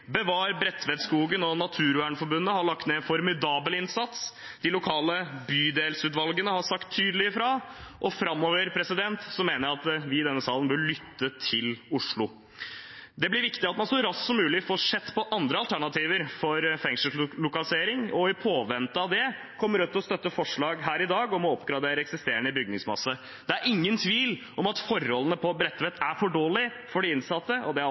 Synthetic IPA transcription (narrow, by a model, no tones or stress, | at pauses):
bəʋɑːɾbɾɛt̪ːʋɛd̪skuːɡənɔnɑt̪ʰʉːɾʉæːɳfɔɾbʉnːəhɑɭɑkt̪nɛnfɔɾmɪd̪ɑːbəlɪnsɑt̪s | d̪ɪlʊkʰɑːləbyːd̪eːlsʉːt̪ʋɑlɡənəhɑsɑkt̪ʰːyːd̪əlɪəfɾɑʔɔfɾɑmːoːʋəɾpʰɾɛsɪd̪ɛnt̪sɔmeːnəɾɑt̪ʋɪɪd̪ɛnːəsɑːlənbœɭʏt̪ːət̪ʰɪlʊʂɭʊ | d̪ɛblɪɾʋɪkt̪ɪɑt̪mɑnʂɔɾɑssɔmʉːlɪfoːʂɛt̪ːpʰɔʔɑnd̪ɾəɑlt̪ʰæɳɑt̪ʰiːʋəɾfɔɾfɛŋʂəlʊkɑlɪseːɾɪŋɔɪpʰoːʋɛnt̪əɑʋd̪ɛ | kʰɔmːəɾʉt̪ʰːɔst̪œt̪ːəfɔʂɭɑːɡɦæːɾɪd̪ɑːɡɔmɔɔpɡɾɑd̪eːɾəɛksɪst̪eːəɳəɪbʏɡ̚nɪŋsmɑ̰sːə | d̪̥ɛæɾɪŋːənt̪ʰʋiːl | ɔmɑt̪fɔɾɔlənəpʰɔbɾɛt̪ːʋɛt̪æɾfɔɖoːlɪ | fɔɖɛɪnsɑt̪ːəʔɔd̪ɛ